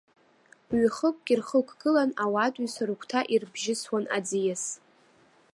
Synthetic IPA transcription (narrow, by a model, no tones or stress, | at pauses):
ɥχəkʷʼɡʲirχəkʷʰʼɡɨlanawatʼisaɾukʷʰtʰaʔirbʒɪswana̰d͡zijas